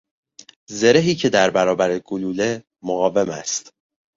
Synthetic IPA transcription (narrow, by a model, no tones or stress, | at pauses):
ze̞ɾe̞ɦiːcʰe̞d̪æɾbæɾɒːbæɾeɡ̥oluːle̞ | moɣɒːve̞mæ̰st̪